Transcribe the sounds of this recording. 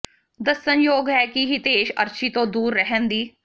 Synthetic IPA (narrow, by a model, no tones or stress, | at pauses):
d̪əsənjoːɡɦɛːkiɦit̪eːʃə̰ɾt͡ʃiːt̪õːd̪uːɾːəɦənd̪iː